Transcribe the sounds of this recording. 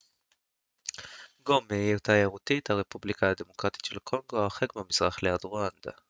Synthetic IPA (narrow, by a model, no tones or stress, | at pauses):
ɡomeit̪ajaʁut̪ithaʁe̞publikʰaad̪e̞mo̞kʁat̪i̥tʃelkʰo̞ŋɡo̞aχekbamiz̥ʁaχlead̪ʁoand̥̪a̰